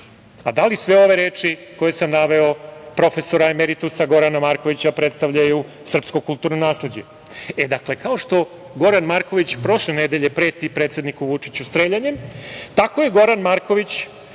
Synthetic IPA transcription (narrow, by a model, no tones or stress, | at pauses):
ad̪alisʋeo̞ʋe̞ɾeːt͡ʂiko̞jesamnaʋe̞o̞pɾo̞fe̞soɾaemeɾit̪usaɡo̞ɾanamaːɾko̞ʋit͡ɕapɾet̪st̪aʋʎaju | sr̩pskokulˠt̪uːɾnonaːsled͡ʑe | ed̪akle̞kaoʂt̪o̞ | ɡo̞ɾanmaɾko̞ʋit͡ɕpɾo̞ʃlened̪eʎepɾeːt̪ipɾet̪sed̪nikuʋut͡ʂit͡ɕust̪ɾeʎaɲemt̪ako̞jeɡo̞ɾanmaɾko̞ʋit͡ɕ